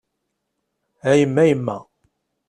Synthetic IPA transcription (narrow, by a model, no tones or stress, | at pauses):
æjəmːæjəmːæ